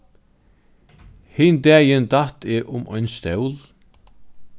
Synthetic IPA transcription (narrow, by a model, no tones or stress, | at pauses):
hɪnd̪ɛːjənd̪at̪ɛʔʊmɔ̰jnst̪œwl